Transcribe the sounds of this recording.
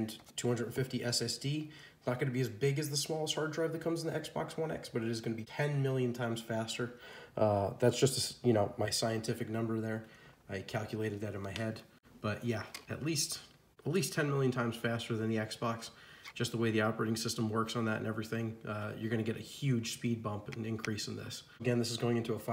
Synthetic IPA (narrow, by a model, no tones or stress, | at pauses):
ntʰuhʌ̃ndɹə˞dn̩fɪftiʔɛsɛsd̥i | nət̚ɡ̥ʌnɨbiɨzbɪɡɨzðəsmɔlˠəst̚hɑɹdɹaɪvðɨt̚kʰʌ̃mzn̩ðiʔɛksb̥ɑ̰kswʌ̃nɛ̰ksb̥ʌɾɨɾɨzɡʌnɨbitʰɛ̃nmɪlˠjɨ̃ntʰãɪ̃mz̥fæstə˞ʔʌðætsd̥ʒ̥ʌstɨsjɨñoʊmaɪsaɪɨ̃ntʰɪfɨk̚nʌ̃mbə˞ðə˞aɪkʰælˠkjɨleɪɾɨd̪̚ðɨɾɨ̃nmaɪhɛd | b̥ʌʔjæɨ̰tˡlist | ətˡlistʰɛ̃nmɪlˠjɨ̃ntʰãɪ̃mz̥fæstə˞ðɨ̃nðiɛksb̥ɑksd̥ʒ̥ʌst̪̚ðəweɪðiap̚pə˞ɪɾɪ̃ŋsɪstə̃mwɜ˞ksn̩ðə̰ɾɨ̰̃nʔɛvɹiθɪ̃ŋʌjə˞ɡʌnɨɡɛɾʔɨhjʉd̥ʒ̥spid̚bʌ̃mpɨ̃n̩ɨ̃nkʰɹ̥isn̩ðɪ̰s | əɡɛ̃nðɪsɨzɡoʊɪ̃ŋɪ̃ntuəf